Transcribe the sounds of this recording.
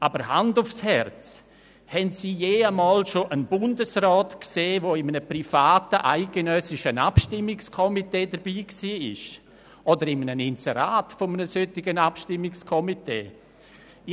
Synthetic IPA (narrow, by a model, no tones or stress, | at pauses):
ʔaːbəɾhandʊfshɛrt͡s | hɛntsiːjeːəmɔːlʃoʔənbʊndəsrɔːtkseːvoɪmənəprifaːtəʔaɪɡ̥ənœsɪʃənapʃtɪmːɪkskʰɔmiteːdəɾbiːksiːɪ̰ʃ | ʔodəɾɪmənənɪnseɾaːtfomənəsøtɪɡənapʃtɪmːɪkskʰɔmitḛː